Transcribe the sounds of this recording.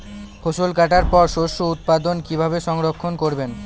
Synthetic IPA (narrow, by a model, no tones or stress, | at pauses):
kʰoʃolkaʈaɾpɔɾʃoʃout̪̚pad̪onkibʱabeʃɔŋɾokʰːonkoɾben